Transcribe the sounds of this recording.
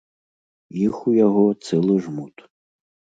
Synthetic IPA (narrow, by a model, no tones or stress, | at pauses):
jixujaɣɔt̪sɛlˠɨʐmut̪